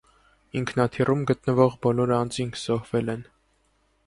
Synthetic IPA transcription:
iŋkʰn̪ɑt̪ʰirʔumɡət̪nəvɔʁbɔlɔɾɑnd͡ziŋkʰz̥ɔhvɛlɛn

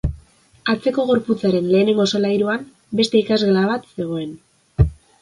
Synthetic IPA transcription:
at͡se̞ko̞ɣo̞ɾput͡saɾe̞nle̞ːne̞ŋɡo̞solajɾuam | be̞st̪e̞ikazɣelaβ̞at̪se̞ɣ̞o̞e̞n

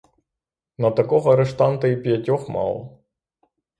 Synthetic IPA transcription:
nɐt̪ɐkɔɦɔɐɾeʂt̪ɑnt̪ɐipʲjɐtʲɔxmɑ̰lˠ

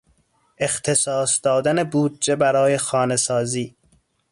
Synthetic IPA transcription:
ext̪ʰe̞sɒːsd̪ɒːd̪ænebuːd̪̚d͡ʒebæɾɒːje̞xɒːnesɒːziː

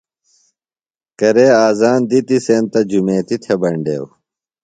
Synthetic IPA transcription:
kɐɾeːaːzaːnd̪it̪iseːnt̪ɐd͡ʑumẽːt̪it̪ʰebɐɳɖḛːw

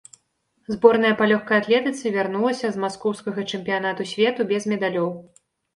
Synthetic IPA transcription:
zbɔrn̪ɐjɐpalʲɔxkɐjat̪lʲɛt̪ɨt̪sɐvʲarnulˠɐsʲɐzmaskɔwskɐɣɐt͡ʂɨmʲpʲijanat̪usʲvʲɛt̪ubʲɛzmʲɛd̪alʲɔw

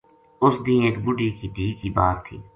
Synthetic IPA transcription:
ʊsd̪ĩːeːkbʊɖiːkid̪ʱiːkiːbaːɾt̪ʰḭː

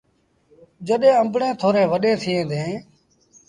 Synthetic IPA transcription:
d͡ʒəɗẽːəmbɳẽːt̪ʰoːɾẽːʋəɗẽːt̪ʰɪːẽːd̪ẽː

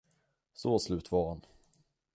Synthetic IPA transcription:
soːslʉ̟ːt̪vɑːɾhan

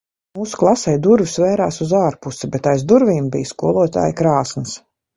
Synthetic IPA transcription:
muːsu̥klˠasɛjd̪uɾvʲisvɛːɾaːsuzaːɾpusibɛt̪ajzd̪uɾvʲiːmbijskuɔlˠuɔt̪a̰ːjkɾaːsns

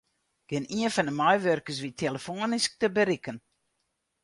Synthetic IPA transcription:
ɡ̥ɪniənfɔndəmɔjʋørkəs̬ʋitʰeləfoənisk̚təbəɾikən

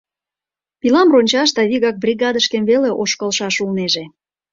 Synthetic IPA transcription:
pilɑmronʲt͡ɕɑʃt̪ɑβiɣɑk̚brʲiɣɑd̪əʃkemveleʔoʃkəlʃɑʃulneʒe

